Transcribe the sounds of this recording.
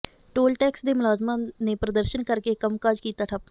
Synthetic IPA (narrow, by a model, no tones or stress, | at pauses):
ʈoːlʈɛːksd̪eːmʊlaːd͡ʒmanepɾəd̪əɾʃənkəɾkekəmkaːd͡ʒkiːt̪aːʈʰəp̚